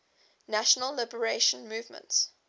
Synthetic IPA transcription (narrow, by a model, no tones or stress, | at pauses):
næʃənəlːɪbəɹeɪʃə̃nmuːvmə̰̃nts